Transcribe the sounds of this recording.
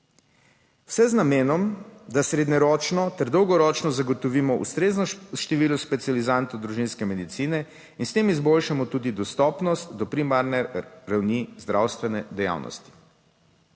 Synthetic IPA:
w̥sɛznameːnɔmd̪asɾed̪ɲɛɾɔːt͡ʃnɔt̪ɛɾd̪ɔwɡɔɾɔːt͡ʃnɔzaɡɔt̪ɔʋiːmɔʔṵst̪ɾeːznɔʃt̪ɛʋiːluspɛt̪sializant̪ɔwd̪ɾuʒinskɛmɛd̪it̪siːnɛ | inst̪eːmizbolʃamɔt̪uːd̪id̪ɔst̪ɔːpnɔst̪d̪ɔpɾimaɾnɛɾawnizd̪ɾawst̪ʋɛnɛd̪ɛja̰ːwnʔɔ̰st̪i̥

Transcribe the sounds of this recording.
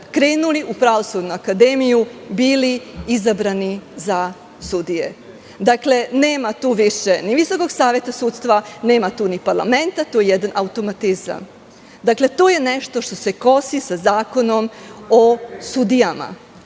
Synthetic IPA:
kɾeːnuliʔupɾaʋo̞sud̪nuakad̪emijubiːliizabɾaniza | sud̪ijḛ | d̪akle̞neːmat̪uːʋiʃeniʋiso̞ko̞ɡsaːʋje̞t̪asuːt̪st̪ʋane̞ːmat̪uːnipaɾlˠa̰ment̪at̪oːjejɛd̪anʔaut̪o̞mat̪iza̰m | d̪akle̞t̪oːje̞neʃt̪o̞ʃt̪o̞se̞ko̞sisazaːko̞no̞mosud̪ijama̰

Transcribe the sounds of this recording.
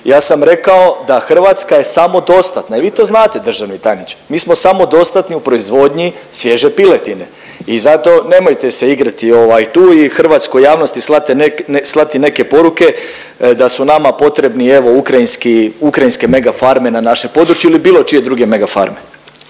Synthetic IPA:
jaːsamɾe̞kao̞d̪axr̩ʋat̪skaje̞samo̞d̪o̞st̪at̪naiʋiːt̪o̞znaːt̪e̞d̪r̩ʒaʋnit̪ajnit͡ɕmiːsmo̞samo̞d̪o̞st̪at̪niupɾo̞izʋo̞d̪ɲi | sʋje̞ʒe̞pilet̪ine̞ | izat̪o̞ne̞mo̞jt̪ese̞iɡɾat̪io̞ʋajt̪uːixr̩ʋat̪skojjaːʋno̞st̪islˠat̪enekeslˠat̪ine̞ke̞po̞ɾuke̞ | d̪asunamapo̞t̪ɾe̞bnie̞ʋo̞ukɾainskiukɾajinske̞me̞ɡafaɾme̞nanaʃepo̞d̪ɾut͡ʃjuilibiːlo̞t͡ʃije̞d̪ɾuɡe̞me̞ɡafa̰ɾme

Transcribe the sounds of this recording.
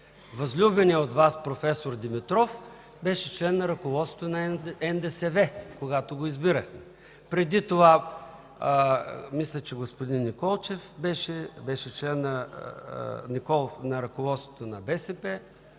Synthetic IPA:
vɐzlʲubɛniəot̪vaspɾofɛsoɾd̪imit̪ɾɔf | bɛʃɛt͡ʃlɛnːɐɾɐkovɔt̪sot̪onɐɛnd̪ɛsɛvɛkoɡat̪oɡoizbiɾəxmɛ | pɾɛd̪it̪ova | mislʲət͡ʃɛɡospod̪inːikɔlˠt͡ʃɛfbɛʃɛbɛʃɛt͡ʃlɛnːɐ | nikɔlˠfnɐɾɐkovɔt̪st̪ot̪onɐbɛsɛpɛ

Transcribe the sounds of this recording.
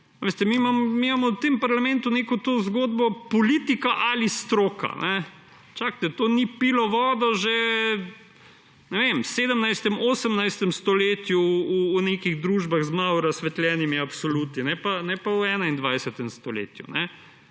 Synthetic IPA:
ʋeːst̪ɛmimamɔmimamɔwt̪empaɾlamɛ̃nt̪unekɔt̪ozɡoːd̪bɔpɔliːt̪ikaʔalist̪ɾoːka̰nɛ | t͡ʃak̚t̪ɛt̪onipilɔʋɔːd̪ɔʒe | nɛʋemseːd̪əmnajst̪ɛmoːsəmnajst̪ɛmst̪ɔleːt̪juuːnekiɣd̪ɾuːʒbaɣzmawɾasʋɛt̪lʲɛːnimiapsolut̪ninɛpanɛpawɛːnaind̪ʋajsɛt̪ɛmst̪ɔlḛːt̪jṵnɛ

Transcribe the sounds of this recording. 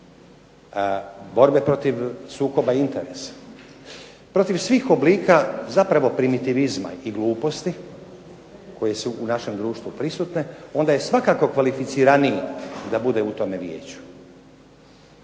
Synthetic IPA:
bo̞ɾbe̞pɾo̞t̪iʋsuːko̞baiint̪e̞ɾe̞sḁ | pɾo̞t̪iʋsʋiːxo̞bliːkazapɾaʋo̞pɾimit̪iʋizma̰iɡlˠuːpo̞st̪i | ko̞je̞suʔːnaʃe̞md̪ɾuːʃt̪vʋupɾisut̪ne̞o̞nd̪aje̞sʋakako̞kʋalifit̪siɾanijid̪abud̪e̞ut̪o̞me̞ʋje̞̰ːt͡ɕu̥

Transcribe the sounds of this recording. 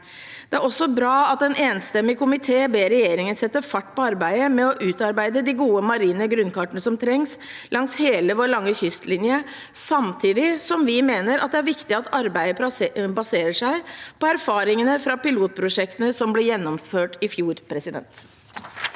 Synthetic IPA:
d̪̥ɛæɾɔsːɔbɾɑːɑt̪̚d̪ɛnʔeːnst̪ɛmːɪkʊmɪt̪ʰeːbeːɾɛjeːɾɪŋənsɛt̪ːəfɑʈːpɔɑɾbæɪəmɛɔʔʉːt̪ɑɾbæɪd̪əd̪ɪɡuːəmɑɾiːnəɡɾʉnkɑʈənəsɔmt̪ʰɾɛŋs | lʔɑŋsheːləʋoːɾɭɑŋːəçʏst̪lɪnjə | sɑmt̪ʰiːd̪ɪsɔmʋɪmeːnəɾɑt̪̚d̪ɛæɾʋɪkt̪ɪɑt̪ɑɾbæɪəbɑseːɾəʂæɪpɔæɾfɑːɾɪŋənəfɾɑpɪluːt̪̚pʰɾʊʂɛkt̪ənəsɔmblɪɾjɛnːɔmføːʈɪfjuːɾpʰɾɛsɪd̪ɛ̰nt̪

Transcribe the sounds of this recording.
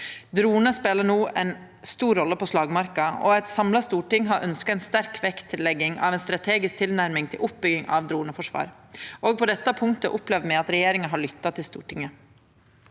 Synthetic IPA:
d̪ɾuːnəspeːləɳuːɛn | st̪uːɾːɔlːəpɔʂlɑːɡmɑɾkɑɔɛɪt̪sɑmlɑst̪uːʈɪŋːɦɑɾʔœnskɑɛnst̪æɾkʰʋɛkt̪ʰːɪlːɛɡːɪŋɑ̰ʋɛnst̪ɾɑt̪ʰeːɡɪsk̚t̪ʰɪlnæɾmɪŋt̪ʰɪlʔʊp̚bʏɡɪŋʔɑ̰ʋd̪ɾuːnəfɔʂʋɑ̰ːɾ | ʔoːɡ̚pʰɔd̪ɛt̪ːəpʰʊŋkt̪ə̰ʔʊplɛːʋəmɛɑt̪ɾɛjeːɾɪŋəɦɑɭʏt̪ːɑt̪ʰɪlst̪ṵːʈɪŋə

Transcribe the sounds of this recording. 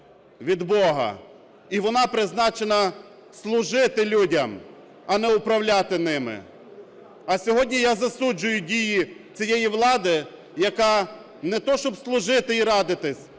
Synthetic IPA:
ʋʲid̪bɔɦɐ̰ | iʋɔnɑpɾɪznɑt͡ʃenɐ | slˠʊʒɪt̪ɪlʲudʲɐm | ɐnɛʊpɾɐwlʲat̪ɪnɪmɪ̰ | ɐsʲɔɦɔdʲnʲijɑzɐsud͡ʒʊjʊdʲijit͡sʲijɛjiʋlˠɑd̪ɪ | jɐkɑ | nɛt̪ɔʃt͡ʃɔbslˠʊʒɪt̪ɪiɾɑd̪ɪt̪ɪsʲ

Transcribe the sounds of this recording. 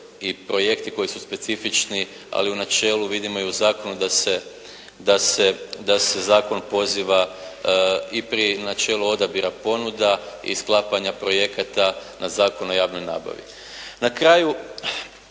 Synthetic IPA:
ipɾo̞je̞kt̪iko̞jisuspe̞t̪sifit͡ʃni | a̰liunat͡ʃe̞ːluʋid̪imo̞euzaːko̞nud̪ase | d̪ase̞d̪ase̞zaːko̞npo̞ziʋa | ipɾinat͡ʃe̞ːlˠuo̞d̪abiɾapo̞nud̪aḭsklˠapaɲapɾo̞je̞kat̪anazaːko̞no̞jaːʋnojna̰ːba̰ʋḭ | nakɾaːju

